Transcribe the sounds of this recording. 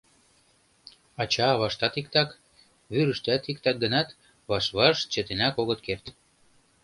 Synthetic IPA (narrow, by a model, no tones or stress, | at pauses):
ɑt͡ɕɑːβɑʃt̪ɑt̪ik̚t̪ɑk | βyɾəʃt̪æt̪ikt̪ɑk̚ɡə̆nɑt̪ | βɑʃβɑʃt͡ɕə̆t̪enækoɣɤt̪̚kert̪